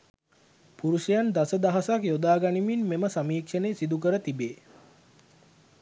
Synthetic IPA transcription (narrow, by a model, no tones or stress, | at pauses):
puɾusijand̪asəd̪aɦasakjod̪aːɡaniminmeməsamiːkʂəneːsid̪uk̬əɾət̪ibeː